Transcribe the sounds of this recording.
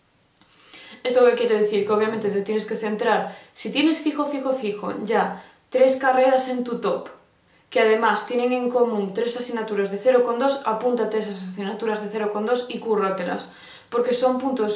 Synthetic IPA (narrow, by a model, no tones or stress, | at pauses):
e̞st̪okekjeɾoðeθiɾkeoβ̞jamẽnt̪et̪et̪jeneske̞θe̞nt̪ɾaɾsit̪je̞ne̞sfixofixofixo̰ɟ͡ʝa | t̪ɾe̞skareɾasẽ̞nt̪ut̪op | keað̞e̞mast̪je̞neŋẽŋko̞mũnt̪ɾe̞sasinat̪uɾazðeθeɾoko̞nd̪o̞sapunt̪at̪ees̬asasinat̪uɾazðeθeɾoko̞nd̪o̞sikurot̪ela̰s | po̞ɾke̞so̞mpunt̪os